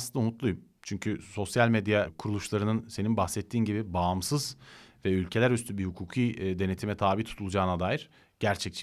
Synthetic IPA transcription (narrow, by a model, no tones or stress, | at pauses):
sɯnd̪aunut̪lˠujum | t͡ʃʰyɲcʰyso̞sjalʲmed̪jakʰuɾulˠuʃlˠaɾɯnɯnse̞ninbaxsɛt̪ʰːiːnɟibibamsɯzvɛylʲcʰe̞lʲæɾyst̪ʰybihukʰuːkʰiːd̪e̞ne̞t̪ʰimɛt̪ʰaːbiːt̪ʰu̥t̪ʰulˠud͡ʒaːnad̪aːjiɾ̥ | ɟ̥æɾt͡ʃʰɛc̚t͡ʃʰ